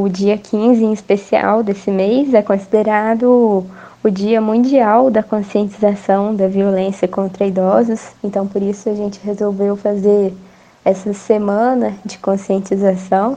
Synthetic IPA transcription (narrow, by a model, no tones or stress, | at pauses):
ʊd͡ʒiɐkʰĩzɪẽispesia̰wd̪esɪmejzɛkõsid̪eɾad̪ʊ | ʊd͡ʒiɐmũnd͡ʒiawd̪ɐkõsiẽnt͡ʃizasɐ̃w̃d̪ɐviolẽsiɐkõnt̪ɾɐid̪ɔzʊsẽnt̪ɐ̃w̃poɾisʊaʒẽnt͡ʃɪɦezowvewfazeɾ | ɛsɐsemɐ̃nɐd͡ʒɪkõsiẽnt͡ʃizasɐ̃w̃